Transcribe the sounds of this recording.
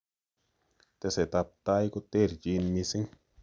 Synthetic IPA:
t̪e˧se˨t̪a˧p̚t̪a˧˦jku˦˧t̪e˦˨ɾd͡ʒi˧nmi˧si˦ŋ

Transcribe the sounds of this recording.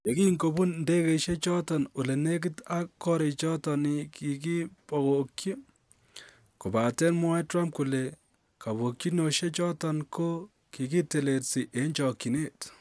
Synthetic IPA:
je˨ki˦ŋɡo˨bu˦nnde˦ke˨ʃe˦t͡ʃɔ˦tɔ˨nu˨le˨ne˦k̬ɪ˦ta˦kːɔ˦ɾe˨t͡ʃɔ˦tɔ˨ni˨ki˨k̬i˦pɔ˨ko˨kji˦ | ko˨ba˨tɛ˦nmwɔ˦ɛtɾa˦mp̚ku˨le˨ | ka˨βo˨kji˦no˨ʃe˦t͡ʃɔ˦tɔ˨nko˦ | ki˨ki˦te˨le˨tsi˨ʔe˨ɲt͡ʃɔ˨kːi˨ne˦˨t

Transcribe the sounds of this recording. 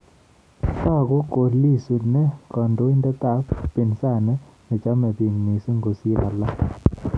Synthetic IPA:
t̪a˦˨ɡo˦ko˨li˦su˨nɛ˦kɔ˨ndo˦i˦ndɛ˦t̪a˦˨kpi˨nsa˦˨nɛ˦ | nɛ˨t͡ʃa˦mɛ˨bi˨ŋni˨se˦ŋɡo˨si˦ɾa˨la˦

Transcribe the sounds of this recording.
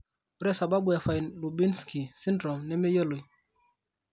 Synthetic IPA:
o˨˦ɾɛ˦sa˨ba˦bu˨ɛ˨fa˨i˨nlu˨bi˦nski˨si˦ndɾɔ˨mnɛ˦me˦jo˦lo˨i˨

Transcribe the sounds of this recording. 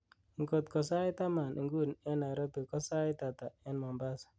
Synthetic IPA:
i˨ŋko˨t̪kɔ˨sa˦ɪ˦t̪a˦ma˨nʔḭ˨ŋɡu˦nɛ˦na˨ɾɔ˦pi˨kɔ˦sa˦ɪ˦ta˨t̪a˨ɛ˦nmɔ˨mba˦s

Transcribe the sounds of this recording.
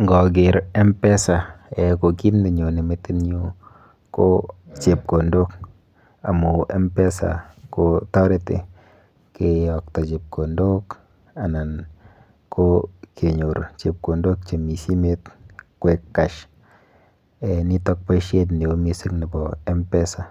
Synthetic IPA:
ŋɡɔ˨ɡ̬ɪ˨ɾɛ˦mpɛ˦sa˨e˨ko˨ki˦ndi˨ɲo˨nɪ˨me˦ti˦nɲo˦ | ko˦t͡ʃe˨p̚ko˨ndo˦k | a̰˨mu˨ʔɛ˦mpe˦sa̰˨ko˨tɔ˦ɾe˦tɪ̰˦ | ke˨ɔ˨k̚tɔ˨t͡ʃe˨p̚kʰo˨ndo˦k | a˨na˨n | kʰo˦kʰe˨ɲo˨ɾt͡ʃe˨p̚ko˨ndo˦k̚t͡ʃe˨mi˨si˦me˦tkwe˨kːa˨ʃ | ɛ˨ni˦tɔ˦k̚pa˦ʃe˦t̬ne˨o˦mi˦si˦knɪ˨bɔ˨ɛ˦mpɛ˦sa˨

